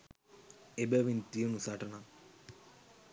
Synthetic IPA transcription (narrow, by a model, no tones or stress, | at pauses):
ebeʋint̪iunusaːʈɐna